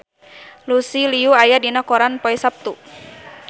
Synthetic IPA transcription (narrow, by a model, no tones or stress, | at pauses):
lusiliuajadinakɔɾanpɔisap̚t̪u